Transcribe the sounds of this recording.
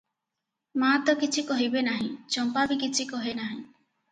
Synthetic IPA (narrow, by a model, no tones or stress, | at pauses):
mat̪ɔkit͡ʃʰikɔɦibenaɦĩt͡ʃɔmpabikit͡ʃʰikɔɦenaɦĩ